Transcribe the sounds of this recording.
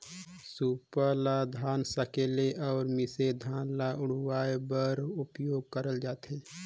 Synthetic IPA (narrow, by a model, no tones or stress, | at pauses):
suːpəɾlad̪ʱaːnsəkeːleʔɔːɾmɪsed̪ʱaːnlaʊɽ̤waːebəɾʊpjoːɡ̚kəɾəld͡ʒaːt̪ɦeː